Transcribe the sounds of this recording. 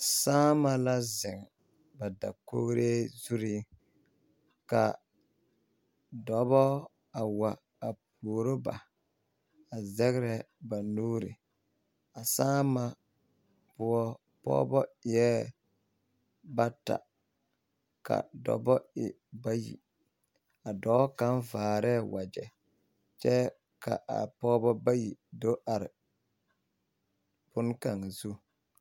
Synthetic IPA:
saː˦ma˨la˦zɪ˨ŋ | ba˨da˨ko̰˦ɾe˦zu˦ɾi˦ | ka˨ | dɔ˨bɔ˦ | a˨wa˨ | a˨p̚uː˨ɾo˦ba̰˨ | a˨zɛ˦ɣɾɛ˨ | ba˨nuː˦ɾɪ̰˨ | a˨saː˦ma˨ | pʊ˦ɔ˦ | pɔ̰ː˦bɔ˦ɪ˨ɛ˦ | ba˦ta̰˨ | ka̰˨dɔ̰˨bɔ˦ɪ˨ | ba˦jḭ˨ | a˨dɔ˨˦ka˦nvaː˨ɾɛː˦wa˨d͡ʒɛ˨ | t͡ʃɛ˦ | ka̰˨ʔa̰˨pɔː˦bɔ˦ba˦ji˨do˦ʔa˨ɾɪ˨ | bʊ˦n˦ka˨ŋ˨zu˦

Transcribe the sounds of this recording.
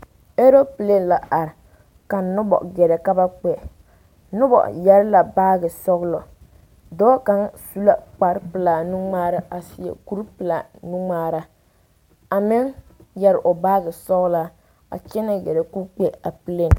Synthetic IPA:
e˦ɾo˦pɨ˨le˦nla˨ʔa˨ɾɪ˨ | ka˨nʊ˦bɔ̰˨ɡɛ˨ɾɛ˨ka˦ba˦k͡pɛ˨ | nʊ˦bɔ̰˨jɛ˦ɾla˨baː˦ɡɨ˨sɔ˦ɣlɔ˨ | dɔː˦ka˦ŋsu˦la˦k͡pa˨ɾpɨ˨la˨nu˦ŋ͡maː˦ɾa˦ʔa˨si˨jɛ̰˨ku˦ɾpɨ˨la˨nu˦ŋ͡maː˦ɾa˦ | a˨mɪ˦ŋ | jɛ˦ɾʔo˨baː˦ɡɨ˨sɔ˦ɣla˦ | a̰˨t͡ʃɛ˦na˦ɡɛ˨ɾɛ˨ku˦k͡pe˦a˨pɨ˨˦le˨n

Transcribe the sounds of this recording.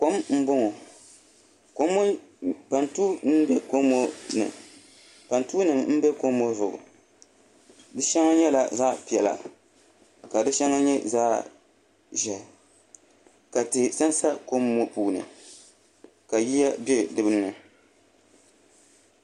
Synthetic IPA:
ko˦mm̩˦bo˦ŋɔ˨ | ko˦mː˦ | pa˨ntuː˦nɨ˦bɛ˦ko˦mo˦nɨ̰˨ | pa˨ntu˦nɨ˨mm̩˦bɛ˦ko˦mːo˦zʊ˨ɡʊ̰˨ | dɨ˦ʃɛ˦ŋa˦ɲɛ˦la˨za˦pi˨ɛ˨la̰˨ | ka˨dɨ˦ʃɛ˦ŋa˦ɲɛ˦zaː˦˨ | ʒɛ˨ | ka˨tɨ˨sa˦nsa˦ko˦mːo˦puː˨˦nɨ̰˨ | ka˨ji˦ja˦be˦dɨ˨bɨ˦n˦nɨ˨

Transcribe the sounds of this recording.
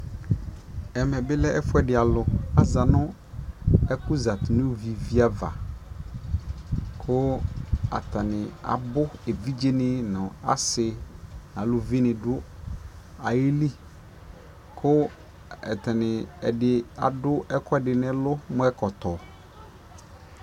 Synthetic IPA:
ɛ˨mɛ˨bɪ˦lɛ˦ʔɛ˦fʊ˦ɛ˨dɪ˨a˨lʊ˨a˨za˨nʊ̃˦ | ɛ˦kʊ˦za˨t̪ʊ˨nʊ̃˦˨vi˨vi˦a˦va̰˨ | kʰʊ˦a̰˨tʰa˨nɪ̃˨a̰˨bʊ˦e˨vi˦d͡ʒe˦nɪ̃˦nʊ̃˨a̰˦sɪ˦n˨a˨lʊ˨vi˦nɪ̃˨dʊ˦ | a˨ji˦li˦ | kʰʊ˦ | ɛ̰˨tɛ˨nɪ̃˨ɛ˨dɪ˨a̰˨dʊ˦ɛ˦kʰɔ˦ɛ˨dɪ˨nɪ̃˦lʊ˦mʊ̃˦ɛ˦kɔ˨tɔ˨

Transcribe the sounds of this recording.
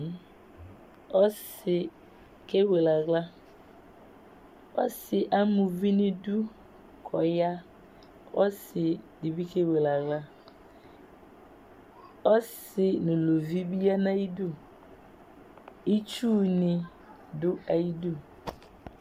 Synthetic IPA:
ɔ˦s | ɪ˨ | ke˦we˨la˨ɡla˦ | ɔ˦sɪ˨ʔa˦mʊ˨vi˦nɪ̃˦du˦ | kʰɔ˨ja˦ | ɔ˦sɪ˨dɪ˨bi˦ke˦we˨la˨ɣla˦ | ɔ˦sɪ˨nʊ̃˨lo˨vi˦bi˦a˦nã˦i˦du˦˨ | i˦t͡ʃuː˦nɪ˨ | dʊ˦a˨ji˦du˦

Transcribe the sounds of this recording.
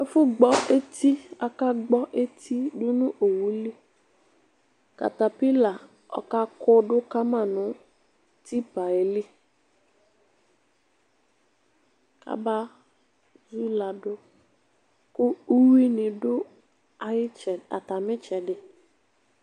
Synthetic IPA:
ɛ˦fʊ˦ɡ͡bɔ˦ʔe˦t̪i˦a˨ka˦ɡ͡bɔ˦ʔe˦t̪ʰi˦dʊ˦nʊ̃˦ʔo˨wu˨li˦ | ka̰˨t̪a˨pi˦la˨ | ɔ̰˨ka˦kʊ˦ɖʊ˦ka˦mã˦˨nʊ̃˨˦ | ti˦pa˨e˨li˦ | ka̰˦ba˦ | zu˦la˨dʊ˦ | kʊ˦u˦wi˦nɪ̃˨dʊ˦ | a˨jɪ˦t͡ʃɛ˨a̰˨ta˨mɪ̃˦t͡ʃɛ˨dɪ˨

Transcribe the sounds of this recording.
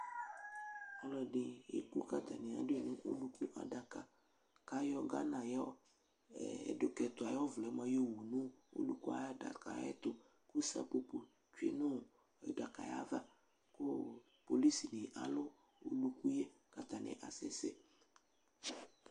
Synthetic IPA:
ɔ˦lɔ˨ɖɪ˨ḛ˨ku˦ka˨t̪a˨nɪ̃˨a̰˨dʊ˦e˨nʊ̃˦ʔo̰˦lu˦ku˦ʔa̰˨da˨ka˨ | ka˦jɔ˦ɡa˦nã˨jɔ̰˦˨ | ɛ̰˨ɖʊ˨kɛ˨t̪ʊ˨a˨jɔ˦vlɛ˨˦ma˦jo˦˨wu˨nʊ̃˦o̰˦lu˦ku˦a̰˦ja˦da̰˨ka̰˨jɛ̰˦t̪ʊ˨ | ku˦sa̰˦po˨po˨ | t͡ʃu˨ḛ˨nʊ̃˦˨ | ɛ̰˨da˨ka̰˨ja̰˦va˦ | ko˦ | po˨li˦si˨nɪ̃˨ʔa˨lʊ˦ | o̰˦lu˨ku˦je˦ka˨t̪a˨nɪ̰̃˨ʔa˨sɛ˦sɛ̰˨

